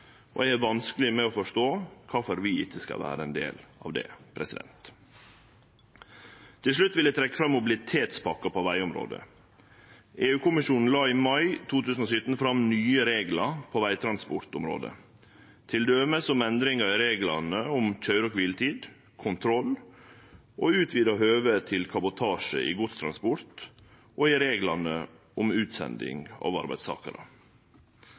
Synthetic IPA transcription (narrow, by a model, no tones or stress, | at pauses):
ʔɔ̰ɛæʋɑnskəlɪmɛofɔʂt̪oːkʰɑfɔɾʋɪɪt̪ːəskɑ̰ʋæ̰ːɾəɛnd̪ḛːlɑ̰ːʋd̪ɛ̰pʰɾɛsɪd̪ɛ̰nt̪ | t̪ʰɪlʂ̬ɭʉt̪ːʋɪld̪ɛɪt̪ʰɾɛkːəfɾɑmːʊbɪlɪt̪ʰeːt̪spʰɑkːɑpʰɔʋæɪʊmɾo̰ːd̪ə̰ | ʔeːʉːkʊmɪʂuːnn̩lɑːimɑɪt̪ʰuːt̪ʰʉːsn̩osʏt̪n̩fɾɑmnyːəɾeːɡlɑpʰoːʋæɪt̪ʰɾɑnspʊɾt̪ʊmɾo̰ːd̪ə̰ | t̪ʰɪld̪øːməsɔmɛnd̪ɾɪŋɑɾɪɾeːɡlɑnəʊmc͡çœʏɾɔkʋilt̪ʰiːd̪ | kʰʊnt̪ʰɾɔl | ʔoːʉːt̪ʰʋiːd̪ɑɦøːʋət̪ʰɪlkʰɑbʊt̪ʰɑːʂə̰ʔḭɡʊt̪st̪ʰɾɑnspʊɾt̪ | ʔoɪɾeːɡlɑnə | ʊmʉːt̪sɛ̰nd̪ɪ̰ŋɑ̰ːʋɑ̰ɾbæ̰ɪst̪ʰɑ̰ːkə̰ɾə̰